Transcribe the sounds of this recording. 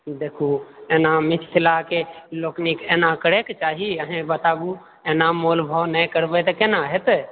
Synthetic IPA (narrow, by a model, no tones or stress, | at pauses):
d̪ekʰueːnamɪt͡ʃːʰlakeloːknikeːnakəɾeket͡ʃaːɦiəɦẽbət̪aɡu | enamolbʱəwnəjkəɾbət̪kenaɦɛt̪